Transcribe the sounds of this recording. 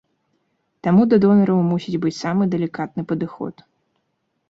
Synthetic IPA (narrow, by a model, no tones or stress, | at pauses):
t̪amud̪ɐd̪ɔnɐɾɐwmusʲid͡zʲbɨt͡sʲsamɨd̪ɛlʲikat̪nɨpɐd̪ɨxɔ̰t̪